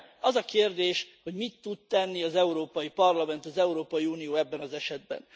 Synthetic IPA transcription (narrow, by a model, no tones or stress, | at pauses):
ɒzɒkeːrd̪eːʃho̞ɟmit̪ːut̪t̪ɛnːiɒzɛuɾoːpɒjipɒrlɒmɛnt̪ɒzɛuɾoːpɒjiuːnijoːɛbːɛnɒzɛʃɛd̪̚bɛ̰n